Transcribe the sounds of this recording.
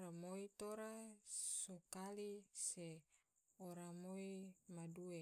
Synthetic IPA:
ɾamoit̪oɾasokalise | oɾamoimadue

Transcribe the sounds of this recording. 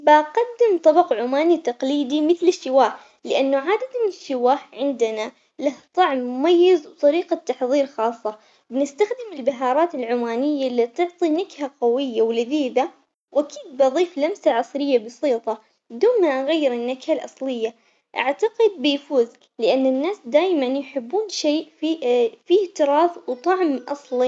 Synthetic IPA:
baqad̪ːɪmt̪ˤɑbɑqʕʊmaːnit̪ɑqliːd̪imɪθlɪʃːɪwaːħ | lɪʔanːʊʕaːd̪at̪mɪnɪʃːɪwaːħʕɪnd̪ɪna | laht̪ˤɑʕmːʊmajːɪzwt̪ˤɑɾiːqat̪ːɑħðˤiːɾxɑːsˤːɑ | bnɪst̪axd̪ɪmɪlbaɦɑːɾˤɑːt̪ɪlʕʊmaːnɪjːalːit̪ɪʕt̪ˤinakhaqawɪjːawlɪðiːd̪a | wʔakiːd̪̚bʔɑðˤiːflamsaʕɑsˤɾɪjːabɑsiːt̪ˤɑ | d̪uːmaʔaɣajːɪɾɪnːakhalʔɑsˤlɪjːa | ʔa̰ʕt̪aqɪd̪̚bɪjfuːz | lɪʔanːɪnːaːsd̪aːjmanjħɪbːuːnʃeːʔfifiht̪ɪɾˤɑːfwt̪ˤɑʕmʔɑsˤli

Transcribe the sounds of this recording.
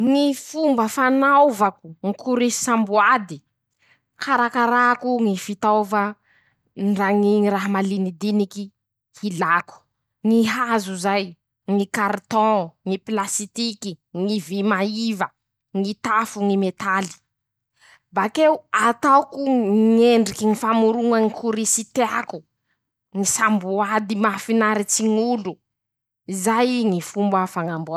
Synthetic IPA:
ŋifumbəfanawvaku̥ŋikʰuɾi̥sãmbuad̪i | kʰaɾakaɾakuŋifit̪awva | nɖ͡ʐaŋiŋiɾaɦamalinid̪iniki | hilaku̥ | ŋiɦazuzaj | ŋikart̪ɔ̃ŋiplasit̪ikiŋivimaivə | ŋit̪afuŋimet̪ali̥ | bakeuat̪awkuŋeɳɖ͡ʐikiŋifamuɾuŋəŋikʰuɾisit̪eaku̥ | ŋisambuad̪imafinaɾit͡siŋulu | izajŋifumbafaŋambua

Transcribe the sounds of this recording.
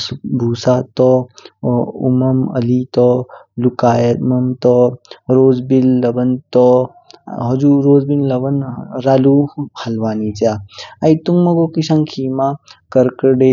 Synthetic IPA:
subʱuːsat̪ɔ | ṵmɐmɐ̰lit̪ɔ | lukaːjɐt̪mɐmt̪ɔɾoːzbilːɐbɐnt̪ɔ | ɦɐd͡ʒuɾoːzbinlɐbɐnɾaːluhɐlʋaːnit͡ʃaajt̪uŋɡmɐɡokisãŋkʰiːmakɐɾkəɾɖe

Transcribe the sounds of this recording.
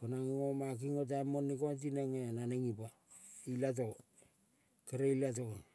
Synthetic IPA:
ponaŋŋomak̬iŋot̬amonːikont̬ineŋenaneŋipa | ilat̬o | keɾeilat̬on

